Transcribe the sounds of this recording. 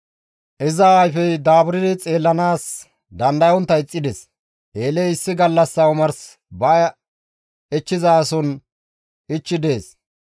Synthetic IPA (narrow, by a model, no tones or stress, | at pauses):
ʔɪzɐajfɛjd̪aːbʊɾɪd̪ɛt͡sʼe̞ːlːɐnaːs | d̪ɐnd̪ɐjɔnt̪ːɐɪt͡sʼːɪd̪ɛs | ʔe̞ːlɛjɪsːɪɡɐlːɐsːɐʊmɐɾs | bɐ | ɛt͡ʃːɪzaːsɔn | ʔɪt͡ʃːɪd̪e̞ːs